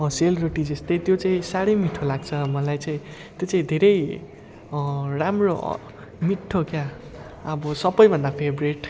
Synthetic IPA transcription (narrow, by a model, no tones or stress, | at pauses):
ʌ̃selroʈid͡zest̪ʌjt̪jot͡sãĩsaɽʌjmiʈʰolaɡt͡sʰʌmʌlajt͡saĩ | t̪jot͡saĩd̪ʱeɾʌj | ramro̰ | miʈʰːokja | ʌbʌsʌbʌjbʱʌnd̪apʰebreʈ